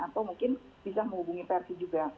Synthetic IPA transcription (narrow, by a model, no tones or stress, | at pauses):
at̪awmuŋkɪn | b̥isaməhubuŋipeɛrsid͡ʒuɡa